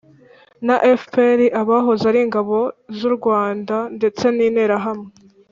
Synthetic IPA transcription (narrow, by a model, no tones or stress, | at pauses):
naʔefpeɾiʔaβaɦozaɾiŋɡaβo̞zuɾɡwaːndande̞t͡se̞niːneːɾaɦamŋe